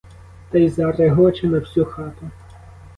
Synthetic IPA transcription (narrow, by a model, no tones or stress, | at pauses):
t̪ɐjzɐreɦɔt͡ʃɪnɐwsʲuxɑt̪ʊ